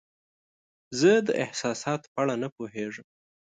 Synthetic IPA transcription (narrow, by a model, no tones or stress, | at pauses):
zəd̪əʔɪhsɑsɑt̪paɽanapoɦeʐəm